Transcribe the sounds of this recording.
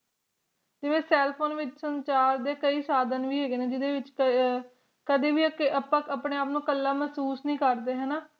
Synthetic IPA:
d͡ʒɪʋẽːsɛːlpʰoːnʋɪt͡ʃsəɲt͡ʃaːɾd̪eːkəiːsaːd̪ənʋiːɦeːɡeːnẽːd͡ʒɪd̪eːʋɪt͡ʃk | kəd̪iːʋiːkəpãkəpɳeːaːpnũːkəlːaːməsuːsnĩːkəɾd̪eːɦɛːnaː

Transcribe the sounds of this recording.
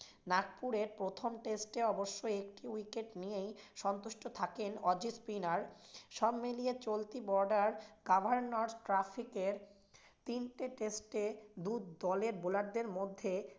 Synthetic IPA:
nak̚puɾeɾpɾot̪ʰomʈesʈeɔboʃːoekʈiwikeʈnijejʃɔnt̪uʃʈot̪ʰakenɔd͡ʑispinaɾʃɔbmilijet͡ɕolt̪ibɔɾɖaɾɡabʱaɾnoɾʈɾafʰikeɾ | t̪inʈeʈesʈed̪ud̪ɔleɾbolaɾd̪eɾmod̪ʱːe

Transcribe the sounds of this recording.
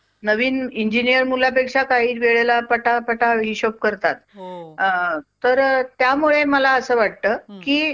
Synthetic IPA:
nəʋiːniɲd͡ʑinijəɾmulapekʂakaɦiːʋeɭelapəʈapəʈaɦiːɕop̚kəɾt̪at̪ | əɾt̪jamuɭeməlaəsəːʋaʈ̚t̪əːkiː

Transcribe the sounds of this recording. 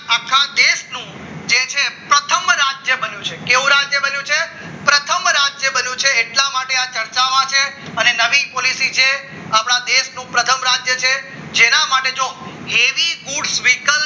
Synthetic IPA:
akʰːad̪eʃnũ | d͡ʒet͡ʃʰepɾət̪ʰəmɾad͡ʒjəbənjũt͡ʃʰekeʋũɾad͡ʒjəbənjũt͡ʃʰe | pɾət̪ʰəmɾad͡ʒjəbənjũt͡ʃʰeːʈlamaʈeat͡ʃəɾt͡ʃaʋat͡ʃʰeənenəʋipolisid͡ʒe | apɳ̃ad̪eʃnũpɾət̪ʰəmɾad͡ʒjət͡ʃʰe | d͡ʒenamaʈed͡ʒo | heʋiɡuɖsʋikəl

